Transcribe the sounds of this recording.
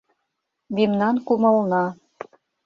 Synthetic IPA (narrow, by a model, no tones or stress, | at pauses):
mimnɑnkumɤ̆lnɑ